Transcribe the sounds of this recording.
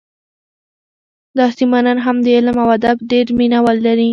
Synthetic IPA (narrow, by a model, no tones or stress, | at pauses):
d̪ɑsimananɦamd̪əɪlmawad̪abɖeɾminawəlːaɾi